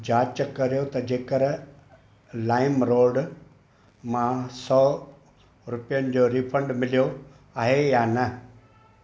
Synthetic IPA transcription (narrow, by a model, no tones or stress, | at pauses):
d͡ʑaːt͡ɕkɐɾijot̪ɐd͡ʑeːkəɾ | laːɪmɾoːɖ | mãsɔː | ɾʊpijənɪ̆d͡ʑoːɾiːfʰə̃ɳɖmɪlijo | aːɦejaːnɐ